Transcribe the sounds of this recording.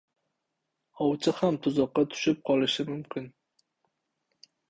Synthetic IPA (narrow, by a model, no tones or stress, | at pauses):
ɒwt͡ʃʰɪhamt̪ʰʊzɒqːɑt̪ʰʊ̥ʃɪp̚qʰɒlˠɪʃɪmʊmkʲʰɪn